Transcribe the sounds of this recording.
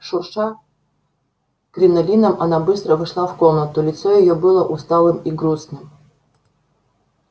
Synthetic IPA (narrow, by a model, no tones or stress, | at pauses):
ʃurʂa | krʲinɐlʲinəmɐnabɨst̪ɾəvɨʂlˠafkomnət̪ulʲit̪sojɪjobɨlˠəʔust̪ɑlˠɨmiɡɾusnɨm